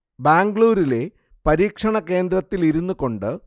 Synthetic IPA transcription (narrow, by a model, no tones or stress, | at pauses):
baːŋɡɭuːɾile̞ | pɐɾiːkʂɐɳɐke̞ːnd̪rɐt̪ːiliɾunːuko̞ɳɖɨ